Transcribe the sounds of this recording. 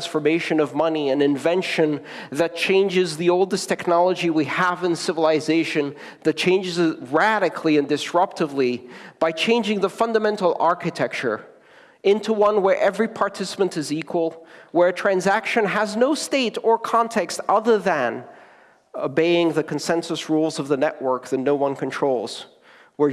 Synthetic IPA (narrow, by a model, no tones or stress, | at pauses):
nsfə˞meɪʃɨ̃nʌvmʌniɨ̃nɨ̃ɱvɛ̃nʃɨ̃n | ðɨt̚t͡ʃʰẽɪ̃nd͡ʒɨzðioʊlˠdɨstʰɛknɑlˠəd͡ʒiwiəvɨ̃nsɪvəlˠɨzeɪʃɨ̃n | ðɨt̚t͡ʃʰẽɪ̃nd͡ʒɨzɹæɾɨkʰliɨ̃ndɨsɹʌp̚tɨvlib̥aɪt͡ʃʰẽɪ̃nd͡ʒɪ̃ŋðəfʌ̃ndəmɛ̃ntˡl̩ˠɑɹkɨtʰɛk̚t͡ʃə̰˞ | ɪ̃ntʰuwʌ̃nwə˞ʔɛvɹipʰɑɹtʰɪsə̥pɨ̃ntɨzikʰwəl̩ˠwə˞tʰɹ̥æ̃nzækʃɨ̃nəznoʊsteɪɾə˞kʰɑ̃ntʰɛkstʌðə˞ðɨ̃n | obeɪɪ̃ŋðɨkʰɨ̃n̩sɛ̃nsəsɹulˠzʌvðɨnɛʔwɜ˞k̚ðɨtⁿnoʊwʌ̃nkɨ̃n̩tʰɹ̥oʊlˠz̥ | wə˞